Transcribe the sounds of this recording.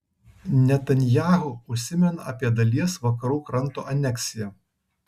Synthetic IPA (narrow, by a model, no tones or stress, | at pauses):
nʲɛt̪ɐnʲjæːɦʊʊʃʲsʲɪmʲɛnɐɐ̰pʲiɛd̪ɐlʲiɛsʋɐkɐɾuːkɾɐnˑt̪o̰ʔɐnʲɛksʲɪjɛ